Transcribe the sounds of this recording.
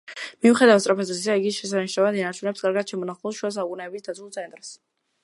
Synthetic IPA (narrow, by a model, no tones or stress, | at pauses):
miuχɛd̪avat̪sʼɾapʰazɛiaiɡiʃɛs̬aniʃnavad̪inaɾt͡ʃʰunɛpsɡaɾɡad̪̥ʃɛmɔnaχlˠɔsʃuas̬aukʼunɛːbisd̪at̪zʰulˠt̪sʰɛnt̪ʼɾs